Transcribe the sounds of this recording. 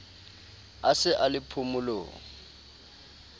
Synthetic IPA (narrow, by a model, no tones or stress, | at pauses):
asɪʔalɪpʰʊmʊlo̰ːŋ̩